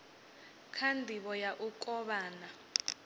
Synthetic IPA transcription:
kʰandʱiɓɔjaʔukʼɔɓaːna

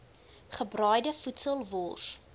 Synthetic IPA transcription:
χəbrœjdəfutsəlˠvɔs

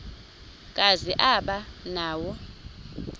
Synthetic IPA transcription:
kʼaziʔaɓanaːwɔ

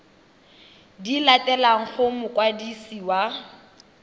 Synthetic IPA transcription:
dilatʼɛlaŋ̩χʊmʊkʼwadisiwa

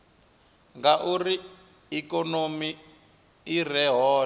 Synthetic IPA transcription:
ŋɡaʔuri | ikɔnomiː | rɛɦɔː

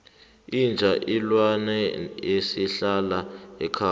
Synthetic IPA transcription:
ind͡ʒʱaʔilwanɛjesiɬalaɛkʰa

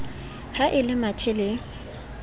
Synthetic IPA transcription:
haʔɪlɪmatʰɪlɪ

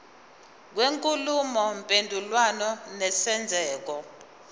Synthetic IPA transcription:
k̬weŋkʼulumɔmpʼendʱulwanɔnɛsɛnd͡zʱɛːk̬ɔ

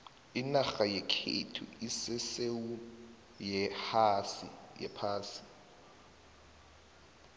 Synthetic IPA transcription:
inaxajɛkʰḛtʰṵisɪsewu | jɛhasḭjɛ̰pʰaːsi̥

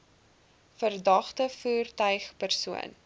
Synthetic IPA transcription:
fərdɐχtəfuːrtœɥχpərsuə̰n

